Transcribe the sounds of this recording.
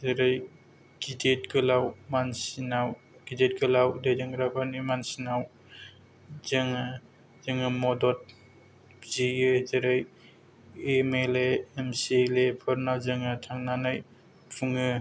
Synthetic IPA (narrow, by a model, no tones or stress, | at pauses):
zeɾaj | ɡ̥idet̚ɡɯlawmansinaw | ɡ̥idet̚ɡɯlawdejdɯŋɾapʰanimansinaw | zɯŋa | zɯŋɯmɔdɔt̚ | zijɯzeɾaj | emeleːmsilepʰɔɾnawzɯŋatʰaŋnanɯj | pʰuŋɯ